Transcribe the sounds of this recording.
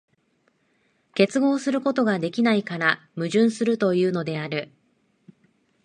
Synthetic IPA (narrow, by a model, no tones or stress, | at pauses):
ke̞t͡sɨɡo̞ːsɨɾɯ̟ko̞t̪o̞ɡad̪e̞kʲinaikaɾa | mɯ̟ʑɨ̃ɰ̃sɨɾɯ̟t̪o̞jɯ̟ːno̞d̪e̞aɾɯ̟